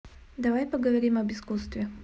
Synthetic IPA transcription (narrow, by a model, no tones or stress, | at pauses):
d̪ɐvajpəɡəvɐɾʲimɐbɨskust̪vʲɪ